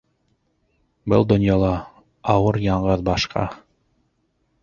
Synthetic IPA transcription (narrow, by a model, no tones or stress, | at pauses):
bɤ̰lˠd̪ŏnjɑlˠɑ | ɑwɤɾjɑɴɢɤðbɑʃqʰɑ̰